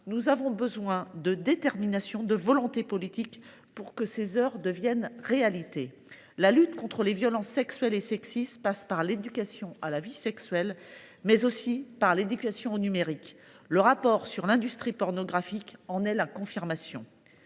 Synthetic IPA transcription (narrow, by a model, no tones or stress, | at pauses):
nuzavɔ̃bəzwɛ̃d̪əd̪et̪ɛʁminasjɔ̃d̪əvɔlɔ̃t̪epɔlit̪ik | puʁkəsezœʁd̪əvjɛnʁealit̪e | lalyt̪kɔ̃t̪χəlevjɔlɑ̃sːɛksɥɛlesɛksist̪paspaʁled̪ykʲasjɔ̃alavisɛksɥɛl | mɛzosipaʁled̪ykʲasjɔ̃onymeʁik | ləʁapɔʁsyʁlɛ̃d̪yst̪χipɔʁnɔɡʁafikɑ̃nɛlakɔ̃fiʁmasjɔ̰̃